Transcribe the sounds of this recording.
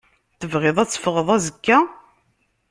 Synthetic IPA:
θəvʁɪðˤæt͡sːə̥fʁəðˤæzəkːæ

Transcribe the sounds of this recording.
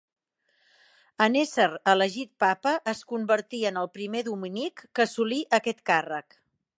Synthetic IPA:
ənesəɾələʒit̪̚papəʔəskumbəɾt̪iənəlˠpɾimeðuminikːəsuliʔəkɛt̪karək

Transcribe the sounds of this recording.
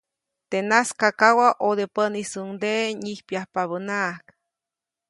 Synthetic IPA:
t̪enaskakawaʔod̪epənisund̪eɲihpjahpaβənak

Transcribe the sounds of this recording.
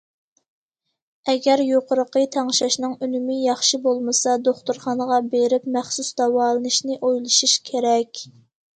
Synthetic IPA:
ɛɡʲɛɾjoqəɾəqət̪ʰɑŋʃɑʃnɨŋynymɪjɑχʃibolˠmɨsɑd̪oχt̪uɾχɑnəʁɑbeɾɪpmæχsusd̪ɑwɑːlˠənɨʃnɪʔojlˠɨʃuʃkʲʰeɾɛkʲ

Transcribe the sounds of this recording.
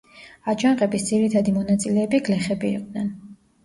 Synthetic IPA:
ad͡ʒanqɛbisd̪ziɾit̪ʰad̪imɔnat̪sʼilɛːbiɡlɛχɛbḭːqʼd̪nɛn

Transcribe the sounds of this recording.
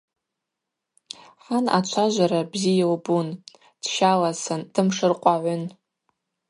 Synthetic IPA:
ħana̰t͡ʃʷʰaʒʷaɾabzijalbun | d̥ʃalasɨnd̥ɨmʂɨrqʷʼaʕʷʊn

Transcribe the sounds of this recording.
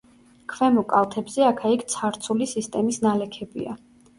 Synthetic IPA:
kʰvɛmɔkʼalt̪ʰɛbzɛakʰaikʰt̪sʰaɾt̪sʰulisist̪ʼɛmisnalɛkʰɛbḭa̰

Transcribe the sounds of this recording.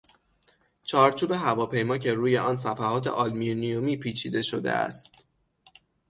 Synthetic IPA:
t͡ʃʰɒːɾt͡ʃʰuːbe̞ɦævɒːpʰe̞jmɒːcʰe̞ɾuːje̞ʔɒːns̬æfæhɒːt̪ʰe̞̰ʔɒlminijomiːpʰiːt͡ʃʰiːd̪e̞ʃo̞d̪e̞̰æ̰st̪

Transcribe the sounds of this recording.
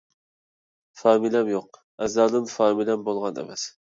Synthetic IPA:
fɑːmilɛmjoq̚ | ɛzlɑːd̪ɨnfɑːmilɛmbolˠʁɑnɛ̰mɛs

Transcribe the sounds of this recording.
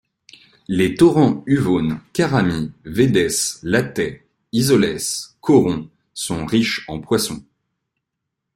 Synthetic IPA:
let̪ɔʁɑ̃yvonkaʁamived̪ɛslat̪ɛ | izɔlɛskʰɔʁɔ̃ | sɔ̃ʁiʃɑ̃pwasɔ̃

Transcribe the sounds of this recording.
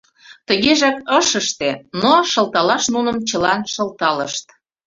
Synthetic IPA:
t̪əɣeʒɑk̚əʃəʃt̪enoʃə̆lt̪ɑlɑʃnunə̆mt͡ɕəlɑnʃə̆lt̪ɑləʃt̪

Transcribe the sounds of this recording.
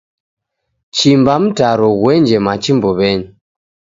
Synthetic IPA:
t͡ʃimbam̩taɾɔɣwɛɲd͡ʒɛmat͡ʃimbɔβɛɲi

